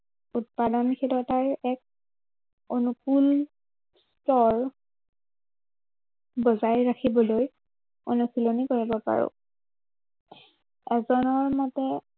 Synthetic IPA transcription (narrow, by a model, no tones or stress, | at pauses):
ut̚padɔnkʰetɔtaɹɛk̚ | onukul | stɔɹ | bɔzajɹakʰibɔloj | o̰nukulonikoɹibɔpa̰ɹʊ̰ | ɛzɔnɔɹmɔtɛ